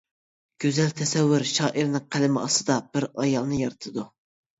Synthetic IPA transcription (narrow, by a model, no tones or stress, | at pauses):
ɡ̥ʲøzɛlt̪ʰɛsɛwːyɾʃɑːʔiɾnɨŋqʰælɪmɪɑst̪ɨd̪ɑb̥ɪɾɑjɑlˠnɨjɑɾɨt̪ʰɨd̪u